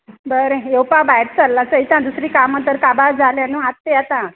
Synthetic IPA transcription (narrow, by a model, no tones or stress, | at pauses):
bəɾẽjewpabajʈt͡salːat͡səit̪ãd̪usɾiːkamə̃t̪əɾkabad͡zʱaljãnuat̪ːejat̪ã